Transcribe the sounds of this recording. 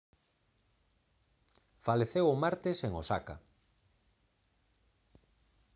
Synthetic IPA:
faleθewomaɾt̪ɪseŋosaka̰

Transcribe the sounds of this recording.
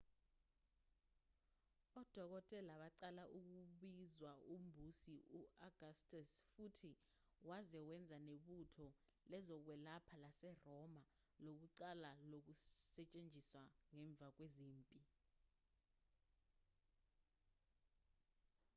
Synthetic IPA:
ɔd̥ʱɔk̬ɔtʼɛlaɓaǀalaʔuk̬uɓizwaʔumbʱusiuʔaɡ̥astʼasfutʰi | wazɛwɛnd͡zʱaneɓutʰɔlɛzɔk̬wɛlapʰalasɛrɔma | lok̬uǀalalok̬usɛt͡ʃʼend͡ʒʱiswaŋɛɱb̪vʱak̬weziːmpʼi

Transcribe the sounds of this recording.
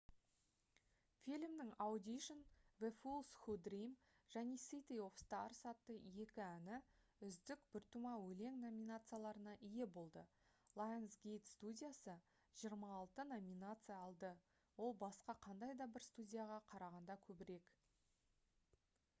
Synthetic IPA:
fʲilʲmd̪ɪŋɑwd̪ʲiʃonvefulˠsxud̪rijm | ʒ̥æne̞sit̪ijo̞fst̪ɑrsɑt̪ːəje̞kʲɪænɪʏzd̪ɪkbʏɾt̪umɑwɵle̞ŋno̞mʲinat̪sɨjalˠɑɾənɑʔɪje̞bo̞lˠd̪əlˠajnsɡʲejt̪st̪udʲijasə | ʒ̥ijəɾmɑːlˠt̪əno̞mʲinat̪sɨjaːlˠd̪ə | wo̞lˠbɑsqɑqʰɑnd̪ɑjd̪ɑbɪɾst̪udʲijaʁɑqʰɑɾɑʁɑnd̪ɑkʲʰɵbɪɾe̞k

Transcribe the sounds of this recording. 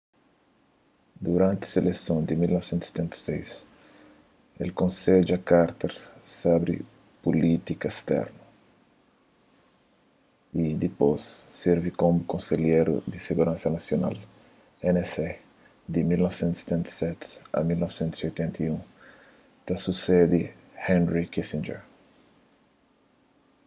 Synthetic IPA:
d̪uɾãnt̪ɪɐ̥selesõnd̪imilnɔvsẽnt̪sot̪ɛ̃nt̪ɐ̥sejs | ḛlkõnsed͡ʒakaɾt̪ɐɾsabɾḭ | pulit̪ikɐest̪ɛ̰ɾnɐ | id̪iposːiɾvikomukõnseljeɾṵd̪iseɣuɾãnsɐnasjona̰l | enese | d̪imilnɔvsẽnt̪u̥se̥t̪ɛ̃nt̪ɐ̥sɛt̪ɐ̰milnɔvsẽnt̪u̥sojt̪ẽnt̪ʰiũŋ | t̪asused̪i | hɛ̃nɾikisĩnd͡ʒɛ̰ɾ

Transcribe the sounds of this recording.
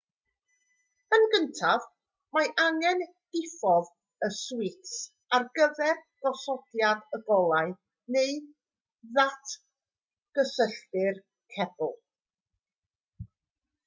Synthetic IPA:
ənɡəntʰav | maʔaŋɛn | d̥ɪfɔð | əswɪts | arɡəvɛrɡ̥ɔsɔdjadəɡɔlˠaɨ | nej | ðatʰ | ɡ̥əsəɬtɪr | kʰɛb̥lˠ

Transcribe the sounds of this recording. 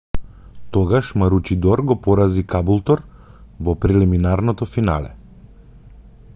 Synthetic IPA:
t̪ɔɡaʃmaɾut͡ʃid̪ɔɾɡɔpɔɾazikabulˠt̪ɔɾ | vɔpɾɛliminaɾnɔt̪ɔfina̰lɛ̰

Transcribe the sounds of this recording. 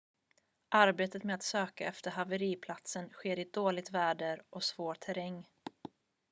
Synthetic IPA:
ʔaɾbeːt̪ət̪meːat̪søːkaɛft̪əɾɦavəɾiːpʰlat̪sənɧeːɾɪd̪oːlɪɡ̚t̪væːɖəɾɔsvoːʈ̪ʰæɾɛŋː

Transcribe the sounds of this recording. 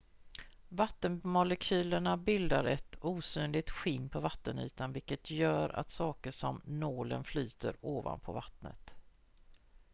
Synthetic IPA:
vat̪ːənmʊlɛkʰyːləɳabɪld̪aɾɛt̪uːsyːnlɪɡ̚t̪ɧɪnːpʰɔvat̪ːəny̰ːt̪anvɪkːət̪ʰjœːɾa̰t̪sɑːkəʂɔmnoːlənflyːt̪ʰə̰ɾoːva̰npʰɔ̰vat̪nə̰t̪

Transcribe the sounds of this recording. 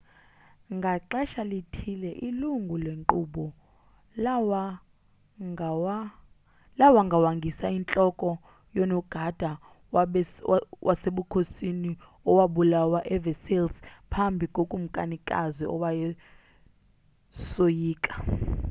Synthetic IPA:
ŋɡʱaǁɛʃalitʰilɛʔiluŋɡʱuleŋǃuɓɔ | wa | wa | lawaŋɡʱawaŋɡʱisaint͡ɬʼɔkʼɔ | jɔnɔɡ̥ʱad̥ʱa | wʔaseɓukʰosini | ɔwaɓulawaʔɛvɛselspʰambʱikʼokʼum̩kʼanikʼa̰ziʔɔ̰wajɛ | sojiːkʼḁ

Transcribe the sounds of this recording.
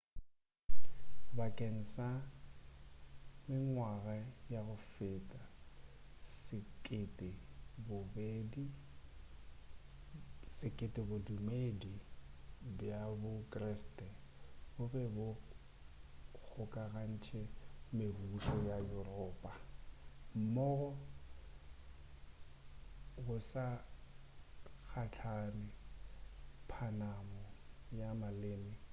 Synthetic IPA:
bakʼeŋ̩sa | mɪŋwaɣajaɣʊfɪːtʼa | sɪkʼɪtʼɪbʊbeːdi | sɪkʼɪtʼɪbʊdumedi | bjabʊkʼrɛstʼɛbʊbɛbʊ | k͡xʰʊkʼaɣan̩t͡ʃʰɛmebuʃɔjajʊrɔːpʼa | m̩mɔɣɔ | ɣʊsa | k͡xʰat͡ɬʰanɪ | pʰanamɔjamaleːnɪ

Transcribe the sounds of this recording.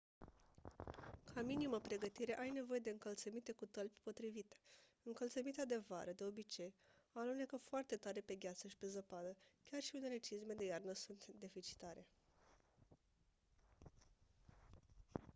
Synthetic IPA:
kʰaminiməpɾe̞ɡət̪iɾe̞ʔajne̞vo̞je̞d̪e̞ɨŋkəlt̪səmit̪e̞kut̪əlpʲpo̞t̪ɾivit̪e̥ | ɨŋkəlt̪səmit̪ead̪e̞va̰ɾəd̪e̞o̞bit͡ʃe̞janune̞kəfoʊart̪e̞t̪aɾe̞pe̞ɡʲat̪səʃi̥pe̞zəpad̪əkʲarʃiune̞le̞t͡ʃizme̞d̪e̞jarnəsunt̪d̪e̞fit͡ʃi̥t̪aɾe̞

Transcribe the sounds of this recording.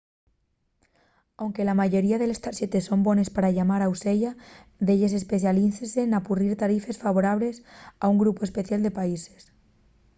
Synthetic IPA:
awŋkelamaʝo̞ɾiaðe̞lest̪aɾset̪esːo̞mbonespaɾaʎamaɾawseʎaðeʎes̬espeθjaliθesenapuriɾt̪aɾife̞sfaβ̞oɾaβ̞le̞sauŋɡɾupoespeθjald̪epaise̥s

